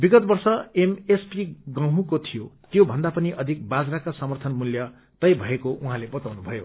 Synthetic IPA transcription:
biɡʌt̪̚bʌrsʌemespiɡʌ̃ɦũkot̪ʰijot̪jobʱʌnd̪apʌniʔʌd̪ʱik̚bad͡zrakasʌmʌrt̪ʰʌnmuljʌ | t̪ʌjbʱʌekoʔuɦãlebʌt̪awnubʱʌjo

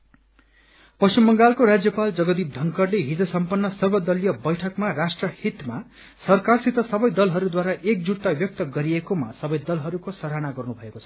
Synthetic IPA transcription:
pʌst͡ʃimːʌŋɡalkoɾad͡zjʌpald͡zʌɡʌd̪ip̚d̪ʱʌŋkʌrleɦid͡zʌsʌmpʌnːʌsʌrbʌd̪ʌlijʌbʌjʈʰʌkmarasʈrʌhit̪ma | sʌrkarsit̪ʌsʌbʌjd̪ʌlɦʌɾud̪waɾaʔek̚d͡zut̪ːabjʌk̚t̪ʌɡʌɾiekomasʌbʌjd̪ʌlɦʌɾukosʌɾɦanaɡʌrnubʱʌeko̥t͡sʰʌ̥

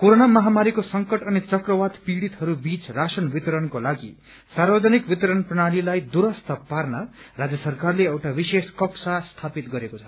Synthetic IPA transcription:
koɾonamʌɦamaɾikosʌŋkʌʈʌnit͡sʌkrʌwat̪piɽit̪ɦʌɾubit͡srasʌnbit̪ɾʌnkolaɡḭ | sarbʌd͡zʌnikbit̪ɾʌnprʌɽ̃alilajd̪uɾʌst̪ʰʌparnʌrad͡zjʌsʌrkarleʌwʈabiseskʌksast̪ʰapit̪ɡʌɾekot͡sʰʌ̥

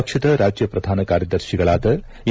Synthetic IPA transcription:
ɐkʂɐd̪ɐɾaːd͡ʒjɐpɾɐd̪ʱaːnɐkaːɾjɐd̪ɐɾʃiɡɐɭaːd̪ɐ

